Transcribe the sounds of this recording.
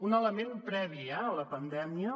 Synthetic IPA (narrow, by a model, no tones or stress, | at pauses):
unələmempɾɛβ̞iɛələpənd̪ɛmiə